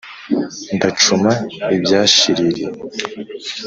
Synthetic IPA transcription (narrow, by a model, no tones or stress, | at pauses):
ndat͡ʃumaibjaːɕiɾiɾi